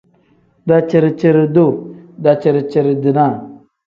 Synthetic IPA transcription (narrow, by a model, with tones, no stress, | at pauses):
da˨t͡ʃə˨ɾt͡ʃə˦ɾdo˦˨da˨t͡ʃə˨ɾt͡ʃə˨ɾə˨di˨na˦˨